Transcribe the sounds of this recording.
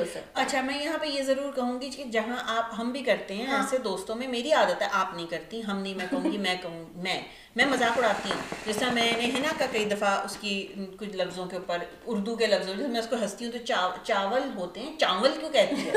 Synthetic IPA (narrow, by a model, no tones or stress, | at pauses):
ɐtːʃʰamɛ̃ːjɐɦãpɐɾjezɐɾuːɾkɐɦũːɡikid͡ʒɐɦãʔaːpɦɐmbʱikɐɾt̪eɦɛ̃ãsed̪oːst̪õmẽmeːɾiaːd̪ət̪ɦɛʔaːpnɐɦĩkɐɾt̪ĩɦɐmnɐɦĩmɛ̃kɐɦũːɡimɛ̃ːkɐɦũːmɛ̃ː | mɛ̃ːmɐzaːkʊɽaːt̪iɦṵ̃d͡ʒɛːsɾamɛ̃ːneɦɪnakakɐid̪ɐfaʊskikʊt͡ʃʰlɐbzõkeʊːpəɾ | ʊɾd̪uk̬elɐbzõsmɛ̃ʊskoɦɐst̪iɦũt̪ot͡ʃaːt͡ʃaːʋəlɦoːt̪eɦɛ̃ːt͡ʃãːnʋəlkjõkɛɦt̪iɦɛ̃